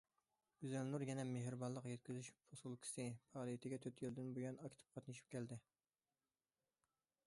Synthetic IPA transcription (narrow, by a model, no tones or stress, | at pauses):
ɡyzɛlnuɾjɛnɛmeɦɾɨbɑnlˠəqjɛt̪̚kʲyzyʃfʰosulˠkʲʰi̥sɨpʰɑːlˠijit̪ʰɪɡʲɛt̪ʰøt̪ʰjeld̪ɪnbujɑnɑkʲt̪ʰɪ̥p̚qʰɑt̪nɨʃi̥p̚kʲɛld̪ɪ